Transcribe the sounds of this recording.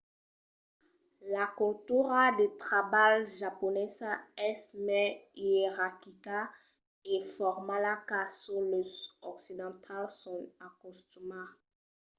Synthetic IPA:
lakɔltuʁadet̪χabalʒapɔnɛsaɛsmɛeʁakika | efɔʁmalakasuløsɔksid̪ɑ̃t̪ʰalsɔ̃nakɔst̪uma

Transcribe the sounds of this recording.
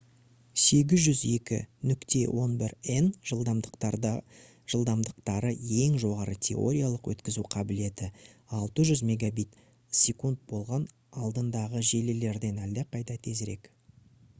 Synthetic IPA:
se̞ɡʲɪzʒʏze̞kʲɪ̰nʏkt̪e̞wʔo̞nbɪɾenʒəlˠd̪ɑ | ʒ̥əlˠd̪ɑmd̪əqt̪ɑɾəje̞ŋʒo̞ʁɑɾət̪ʲʰe̞̰o̞̰ɾʲijalˠəqwɵ̰t̪kʲɪzuqʰɑbɪle̞t̪ɪɑlˠt̪əʒʏzme̞ɡabijt̪ | sʲe̞kund̪̚bo̞lˠʁɑn | ɑlˠd̪ənd̪ɑʁəʒe̞lele̞ɾd̪e̞næld̪eqʰɑjd̪ɑt̪ʰe̞zɾe̞̰k

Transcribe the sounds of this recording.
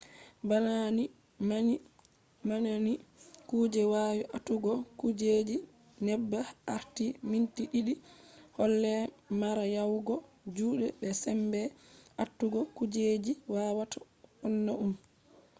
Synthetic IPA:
banani | mani | mananikuːd͡ʒɛwaːwiʔatːuɡɔkud͡ʒed͡ʒi | nɛbːaaɾtimintiɗiɗihɔlːɛmaɾajawɡɔ | d͡ʒuːɗɛbɛsɛmbɛatːuɡɔkud͡ʒed͡ʒiwawatʰa | ɔnːaʔum

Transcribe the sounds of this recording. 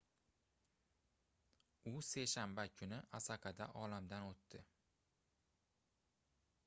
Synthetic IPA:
ʊse̞ʃambakʰʊnɪasaqʰɑd̪aʔɒlamd̪anot̪ːɪ

